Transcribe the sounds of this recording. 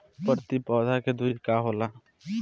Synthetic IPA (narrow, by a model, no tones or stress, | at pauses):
pəɾt̪ipɔːd̪ʱaked̪uit̪kaːɦoːla